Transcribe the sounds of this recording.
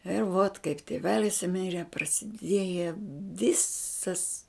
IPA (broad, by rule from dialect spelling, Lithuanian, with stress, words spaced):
ɪr ʋoːt kɐɪp tʲɪˈʋʲæːlʲɪs ˈmʲɪrʲɛ prɐsʲɪˈdʲiɛjɛ ˈʋʲɪsɐs